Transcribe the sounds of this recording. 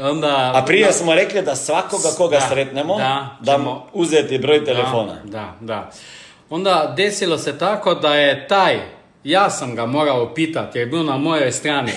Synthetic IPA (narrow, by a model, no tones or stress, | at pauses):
ond̪aapɾiɛsmɔɾɛklid̪asʋakoɡakoɡasɾet̪nɛmɔdad̪amɔuzet̪ibɾoːjt̪ɛlɛfoːna̰d̪ad̪a | ond̪ad̪eːsilosɛt̪aːkod̪ajɛt̪aj | jasamɡamoːɡawɔpiːt̪at̪̚jɛjɛbiwnamoːjɔjst̪ɾaːni